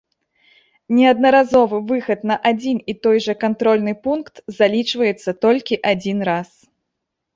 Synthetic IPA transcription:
nʲɛɐd̪̚nɐɾazɔvɨvɨxɐt̪nɐʔad͡zʲinit̪ɔjʐɐkant̪ɾɔlʲnɨpunkt̪zalʲit͡ʂvɐjɛt̪sːɐt̪ɔlʲkʲiʔad͡zʲinɾas

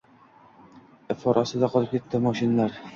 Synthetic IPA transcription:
fɒɾʔɑsɤd̪ɑqɒ̆lˠɤp̚kit̪ːɘmɒʃinːæɾ

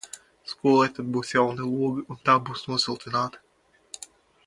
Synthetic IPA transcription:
skuɔlˠɛjt̪ad̪̚buːsjawnɨlˠuɔɡɨunt̪aːbuːsnuɔsilˠt̪inaːt̪ɨ̥

